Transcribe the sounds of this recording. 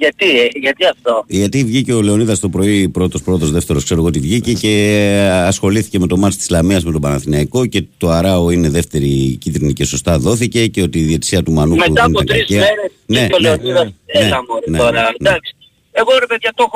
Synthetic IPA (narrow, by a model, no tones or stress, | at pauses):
ʝɐt̪iʝɐt̪iɐft̪oʝɐt̪ivʝiceole̞o̞niðɐst̪o̞pɾo̞ipɾo̞t̪o̞spɾo̞t̪o̞zðe̞ft̪e̞ɾoskse̞ɾo̞ɣot̪ivʝice̞ce̞ɐsxo̞liθi̥ce̞me̞t̪o̞mɐt̪st̪i̥zlɐmiɐzmet̪o̞bɐnɐθinɐiko̞ce̞t̪o̞ɐɾɐo̞ine̞ðe̞ft̪e̞ɾicit̪ɾinice̞so̞st̪ɐðo̞θice̞ce̞o̞t̪iːðie̞t̪i̥siɐt̪umɐnumeɐntpoɐt̪ɾɐizcimeɾe | ne̞oleoniðɐsneɐmoneoɾɐnd̪ɐksi̥ | eɣoɾepeðɐt̪o